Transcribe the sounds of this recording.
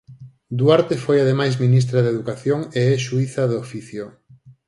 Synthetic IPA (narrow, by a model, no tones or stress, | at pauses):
d̪uaɾt̪efojaðemajsmĩnis̬t̪ɾɐðeðukaθjoŋeɛʃuiθɐðofiθjo